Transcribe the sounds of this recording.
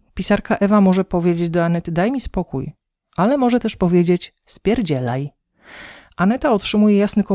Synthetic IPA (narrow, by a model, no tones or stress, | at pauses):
pʲisaɾkaʔɛvamɔʐɛpɔvʲjed͡ʑed͡ʑd̪ɔanɛt̪ɘd̪ajmʲispɔkuj | ʔalɛmɔʐɛt̪ɛʂpɔvʲjed͡ʑet͡ɕ | spʲjɛɾd͡ʑɛlaj | ʔanɛt̪aɔtʂɘmujɛjasnɘkɔ